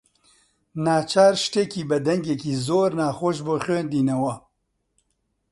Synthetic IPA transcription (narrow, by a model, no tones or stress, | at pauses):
naːt͡ʃʰaːɾʃt̪eːkiːbɛd̪ɛŋɡekiːzoːɾnaːxoːʃ̬boːxweːnd̪iːnɐwɐ